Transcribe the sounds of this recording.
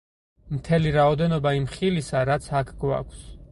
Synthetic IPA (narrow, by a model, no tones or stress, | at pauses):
mt̪ʰɛliɾaɔd̪ɛnɔbaimχilisaɾat̪sʰakʰɡwa̰kʰs